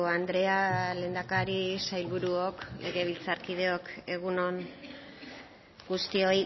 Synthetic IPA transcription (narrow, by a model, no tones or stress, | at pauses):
and̪ɾe̞ale̞ːnd̪akaɾisajlβuɾuoklʔe̞ɣe̞β̞ilt͡saɾkið̞e̞o̞ke̞ɣuno̞n | ɡust̪io̞j